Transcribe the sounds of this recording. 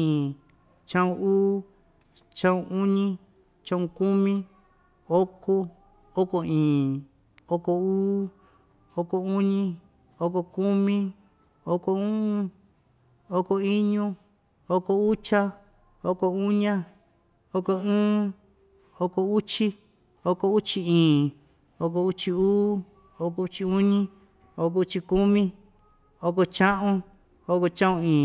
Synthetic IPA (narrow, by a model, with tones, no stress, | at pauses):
ĩ˨ | t͡ʃã˦ũ˧uː˦ | t͡ʃã˦ũ˧u˦ɲĩ˦ | t͡ʃã˦ũ˧ku˦mĩ˦ | o˦ko˦ | o˦ko˧ĩː˨ | o˦ko˧uː˦ | o˦ko˧u˦ɲĩ˦˧ | o˦ko˧ku˦mĩ˦ | o˦ko˧ũ˦ũ˦ | o˦ko˧i˦ɲũ˦ | o˦ko˧u˦t͡ʃa˦ | o˧˦ko˧u˦ɲã˧ | o˧ko˧ɨ̃ː˦ | o˦ko˧u˦t͡ʃi˦ | o˧ko˧u˦t͡ʃi˧ĩː˨ | o˧k̬o˧u˦t͡ʃi˧uː˦ | o˧ko˧u˧t͡ʃi˧u˦ɲĩ˦ | o˧k̬o˧u˧˦t͡ʃi˧ku˦mĩ˦ | o˧ko˧t͡ʃã˦ʔũ˧ | o˧ko˧t͡ʃã˦õ˧ĩː˨